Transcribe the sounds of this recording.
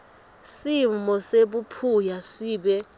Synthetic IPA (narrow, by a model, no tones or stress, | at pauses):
simɔseɓupʰujasiːɓɛ